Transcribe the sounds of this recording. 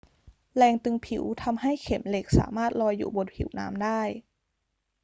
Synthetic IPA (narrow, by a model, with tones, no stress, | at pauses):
lɛː˧ŋt̪ɯ˧ŋpʰḭ˩˦wt̪ʰa˧mɦa˥˩jkʰe˩˦mle˨˩k̚sa̰ː˩˦maː˥˩t̪̚lɔː˧jːṵː˨˩bo˧t̪̚pʰḭ˨˩˦wna̰ː˦˥mdaː˥˩j